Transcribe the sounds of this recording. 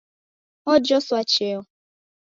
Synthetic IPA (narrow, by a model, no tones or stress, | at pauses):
ɔd͡ʒɔsʊat͡ʃeɔ